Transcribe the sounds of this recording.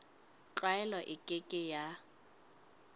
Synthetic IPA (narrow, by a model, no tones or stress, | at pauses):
t͡ɬaɛlɔʔɪkʼekʼɪja